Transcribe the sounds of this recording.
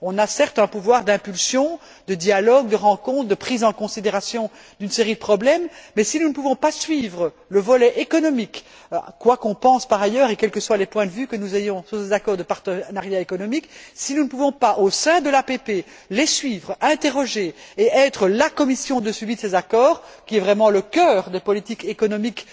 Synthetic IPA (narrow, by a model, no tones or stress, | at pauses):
ɔ̃nasɛʁt̪ɛ̃puvwaʁd̪ɛ̃pylsjɔ̃ | d̪əd̪jalɔɡ̚d̪əʁɑ̃kɔ̃t̪χd̪əpχizɑ̃kɔ̃sid̪eʁasjɔ̃ | d̪ynseʁid̪əpχɔblɛmːɛsinunəpuvɔ̃pasɥiːvʁə | ləvɔlɛʔekɔnɔmik | kːwakɔ̃pɑ̃spaʁajœːʁekʲɛlkəswalepwɛ̃d̪əvykənuzejɔ̃syʁsezakɔʁd̪əpaʁt̪ənaʁjaekɔnɔmiksinunəpuvɔ̃paʔosɛ̃d̪əlapepe | lesɥiːvʁɛ̃t̪eʁɔʒeeʔɛːt̪χəlakɔmisjɔ̃d̪əslɥid̪əsezakɔːʁkʲiɛvʁɛmɑ̃ləkʲœːʁd̪epɔlit̪ikekɔnɔmik